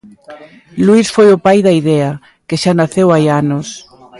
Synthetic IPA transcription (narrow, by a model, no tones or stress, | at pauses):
luisfojʊpajðɐiðɛɐ | keʃanaθewajanos